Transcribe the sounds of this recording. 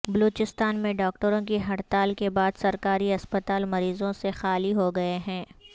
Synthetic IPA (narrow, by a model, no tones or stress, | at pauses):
bɐloːt͡ʃɪst̪aːnmẽɖɔːk̚ʈəɾõkiɦɐɽt̪aːlkebaːd̪sɐɾkaːɾiɐspət̪aːlmɐɾiːzõsexaːliɦoɡɐeɦɛ̃ː